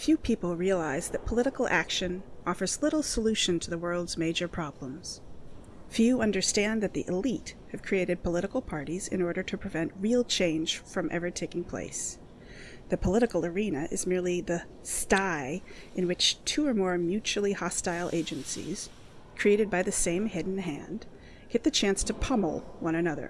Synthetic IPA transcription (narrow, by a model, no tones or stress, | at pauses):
fjʉpʰipl̩ˠɹiəlaɪzðɨt̚pʰəlɪɾɨkl̩ˠʔækʃɨ̃nʔɔfə˞zlɪɾl̩ˠsəlʉʃɨ̃ntʰɨðəwɜ˞lˠdzmeɪd͡ʒə˞pʰɹ̥ɑblə̃mz̥ | fjʉʌ̃ndə˞stæ̃nðɨt̪̚ðḭʔɨlit̚hɨv̥kʰɹ̥ieɪɾɨd̚pʰəlɪɾəkl̩ˠpʰɑɹɾizɨ̰̃nɔɹɾə˞ɾɨpʰɹ̥ɨvɛ̃nʔɹilˠt͡ʃʰẽɪ̃nʒ̥fɹʌ̃mʔɛ̰və˞tʰeɪkɪ̃ŋpʰl̥ḛɪs | ðɨpʰəlɪɾɨkl̩ˠə˞ĩnɨʔɨ̰zmɪɹlˠiðɨ | staɪʔɨ̃nwɨt͡ʃtʰuə˞mɔɹmjʉt͡ʃul̩ˠihɑstaɪlˠʔḛɪd͡ʒɨ̃nsḭz̥ | kʰɹ̥ieɪɾɨd̚baɪðɨsẽɪ̃mhɛdⁿn̩ɦæ̃nd̥ | ɡ̥ɛt̪̚ðɨt͡ʃʰæ̃nstʰɨpʰʌ̃ml̩ˠwʌ̃ñɨnʌðə̰˞